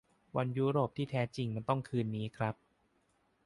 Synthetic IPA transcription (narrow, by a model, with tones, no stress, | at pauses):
wa˧njuː˦˥ɾoː˨˩p̚t̪ʰiː˥˩t̪ʰɛː˦˥t͡ɕi˧ŋma˧nt̪ɔ˥˩ŋkʰɯː˧nːiː˦˥kʰɾa˦˥p̚